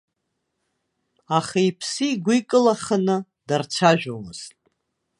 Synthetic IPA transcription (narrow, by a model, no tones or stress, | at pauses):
aχaipʰsiːɡʷikʼɨlaχənɨ | dart͡sʷʰaʒᶣʷomɨz̥tʼ